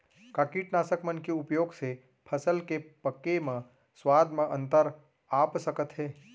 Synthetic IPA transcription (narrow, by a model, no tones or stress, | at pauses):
kaːkiːʈnaːsəkmənkeʊpjoːɡse | pʰəsəlkepəkːemə̃ | swaːd̪mə̃ʔə̃nt̪əɾ | aːpsəkət̪ɦɛː